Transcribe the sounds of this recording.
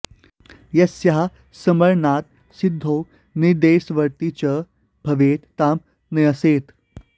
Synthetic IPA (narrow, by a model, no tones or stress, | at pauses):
jɐsjaɦa | səməɾnat̪̚ | sid̪ʱːow | niɾd̪esʋəɾt̪it͡ɕə | bʱɐʋet̪t̪am | nɐjəset̪